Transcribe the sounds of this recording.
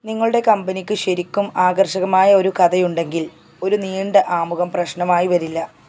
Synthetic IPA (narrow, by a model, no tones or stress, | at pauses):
niŋːɐɭuɽe̞kɐmbɐnikʲːɨɕɐɾikʲːumaːɡɐrɕɐɣɐmaːjɐo̞ɾukɐd̪ɐjuɳɖe̞ŋɡil | o̞ɾuniːɳɖɐʔaːmuɣɐmprɐɕɳɐmaːjiʋɐɾilːɐ